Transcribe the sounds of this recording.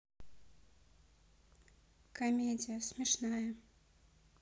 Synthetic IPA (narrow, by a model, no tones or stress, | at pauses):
kamʲɛd͡z̪ʲijɐsʲmʲɛʂnajɐ